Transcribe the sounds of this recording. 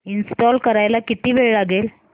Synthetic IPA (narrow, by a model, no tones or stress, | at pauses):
insʈɔlkəɾajlakit̪iːʋeɭlaɡel